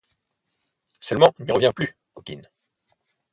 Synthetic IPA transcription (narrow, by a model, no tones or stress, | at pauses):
sœlmɑ̃niʁəvjɛ̃ply | ɔkʲḭn